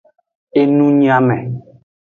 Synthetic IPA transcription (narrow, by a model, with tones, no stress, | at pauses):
e˦nũ˦ɲĩ˦a˦mɛ̃˨